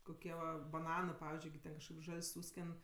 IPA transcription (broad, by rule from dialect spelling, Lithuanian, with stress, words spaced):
koːˈkʲiɛ ʋɐ bɐˈnɑːnɜ ˈpɑːʋʲɪzʲd͡ʒʲʊɪ ɡʲɪ ˈtʲɛn kɐʃkɐɪp ˈʒɐlʲsʲ ˈsuːsʲkʲɛn